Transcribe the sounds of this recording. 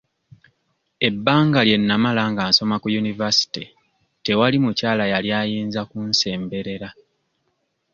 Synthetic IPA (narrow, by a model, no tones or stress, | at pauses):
e̞bːaːŋɡalje̞nːamalaŋɡaːnso̞makujunivasi̥ti | te̞walimucaːlajaljaːjiːnzakunse̞ːmbe̞ɾe̞ɾa